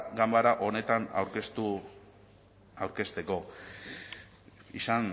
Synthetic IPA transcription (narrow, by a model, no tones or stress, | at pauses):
ɡambaɾaʔo̞ne̞t̪ana̰wɾkest̪u | awɾke̞st̪e̞ko̞ | isan